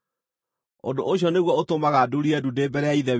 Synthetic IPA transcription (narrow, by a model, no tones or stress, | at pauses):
o̰ndoʔoɕiɔneɣwɔotomaɣaduɾiɛdudebɛɾɛaiðɛ